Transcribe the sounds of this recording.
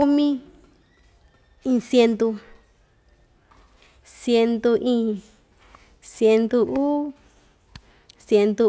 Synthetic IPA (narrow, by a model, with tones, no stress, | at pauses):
u˦mĩ˦ | ĩ˧˨sje˧nd̪u˧ | sje˧nd̪u˧ʔĩ˦ | sje˧nd̪u˧ʔuː˦ | sje˧nd̪u˧